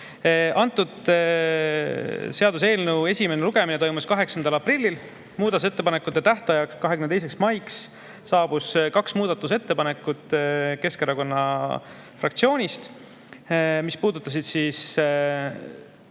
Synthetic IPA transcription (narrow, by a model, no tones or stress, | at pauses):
ʔɑnt̪ːˑud̪̥ | se̞ɑd̪use̞ːlnewe̞sʲimeneluɡ̥e̞minet̪o̞jmuskɑɦe̞ksɑnd̪̥ɑlɑprilʲːil | muːd̪ɑt̪use̞t̪ːe̞pɑnekːˑut̪ːe̞t̪æht̪ɑjɑkskɑɦe̞kymnet̪ejs̬e̞ksmɑjksː | ɑːb̥uskɑksmuːd̪̥ɑt̪ːˑus̬e̞t̪ːe̞pɑne̞kːˑut̪ˑke̞skeɾɑko̞nːɑ | frɑkt̪sio̞ːnʲist̪ | mispuːd̪ut̪ːˑɑs̬id̪̥siːs